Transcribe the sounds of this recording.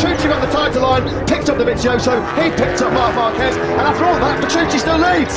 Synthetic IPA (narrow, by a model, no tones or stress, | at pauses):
ɹ̥ʉˑtʰəə̃nðətʰãɪ̃m̚tʰəlãɪ̃n | pʰɪk̚tʌp̚ðəmɪ̃nsoʊʃoʊhipʰɪk̚tʌp̚mɑˑfɑˑkʰɛt | ə̃naftəɹɔːlˠvðəʔ̚pʰə̥tʰɹ̥ʉˑt͡ʃistɪlˠliːv̥